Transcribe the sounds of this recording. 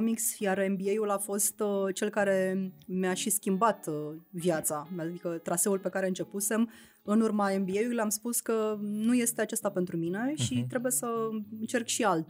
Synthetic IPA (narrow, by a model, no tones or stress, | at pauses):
miksjaɾe̞mbie̞julafo̞st̪t͡ʃe̞lkaɾe̞meaʃiskʲimbat̪vjat̪saad̪ikət̪ɾase̞ulpe̞kaɾe̞ɨnt͡ʃe̞puse̞m | ɨnurmae̞mbiejulileamspuskənuje̞st̪e̞at͡ʃest̪apent̪ɾumine̞ʃit̪ɾebuje̞səɨnt͡ʃe̞rkʃialt̪